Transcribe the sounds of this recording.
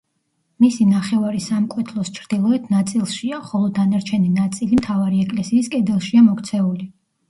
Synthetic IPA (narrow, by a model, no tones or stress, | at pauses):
misinaχɛvaɾisamkʼwɛt̪ʰlˠɔst͡ʃʰɾd̪̥ilˠɔɛt̪ʰnat̪sʼilˠʃiaχɔlˠɔd̪anaɾt͡ʃʰɛninat̪sʼilimt̪ʰavaɾiɛkʼlɛsiːskʼɛd̪ɛlˠʃiamɔkʰt̪sʰɛuli